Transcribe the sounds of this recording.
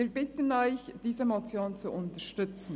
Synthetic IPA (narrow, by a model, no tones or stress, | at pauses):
iːɾbɪtənɔʏçd̥iːzəmot͡sjoːnt͡suʔʊntəʃtʏt͡sn̩